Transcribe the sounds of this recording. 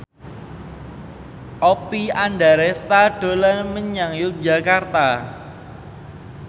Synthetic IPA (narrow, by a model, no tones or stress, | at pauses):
ʔɔpianɖaɾɛst̪aɖ̥o̤lanməɲaŋjʊk̚d͡ʒa̤kart̪a